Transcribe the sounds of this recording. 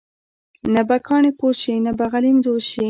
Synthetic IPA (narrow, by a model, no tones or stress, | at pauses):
nabakʰɑɳepot͡ʃinabaɣalimd̪oʃi